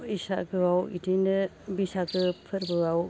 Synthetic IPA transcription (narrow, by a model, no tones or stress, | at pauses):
isa̰ɡɯwawḭdinɯ | bisaɡɯpʰɯɾbɯaw